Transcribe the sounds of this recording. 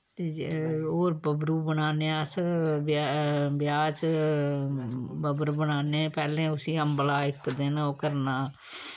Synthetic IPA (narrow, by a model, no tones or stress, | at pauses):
t̪eːoːɾbəbɾuːbəɳaːneːãsbbɪjaːt͡ʃ | bəbɾbəɽaːneːpɛːlẽːʊsiːəmblaːɪkd̪eːnoːkəɾnaː